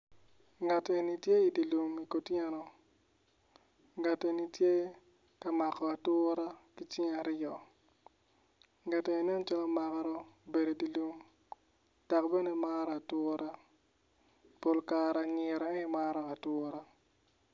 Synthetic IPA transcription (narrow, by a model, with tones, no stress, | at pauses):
ŋa˨tɔ˨e˨ni˨tje˦i˨di˨lu˨mi˨ko˨tjɛ˦nɔ˦ | ŋa˨te˨ni˨tje˦ | ka˨ma˨kɔ˨a˨tʊ˦ɾa˦ki˦t͡ʃɪ˦ŋa˨ɾɪ˦jɔ˨ | ŋa˨tɔ˨i˨ne˦n˦t͡ʃa˦lɔ˦ma˨ka˦ɾɔ˦be˨do˨di˨lu˦m | d̥a˨kbe˦ne˦ma˦ɾa˨tʊɾʔa˦ | po˨lka˨ɾa˨ŋɪ˨ɾɔ˨ɛ˦ma˦ɾɔ˨a˨tʊɾa˦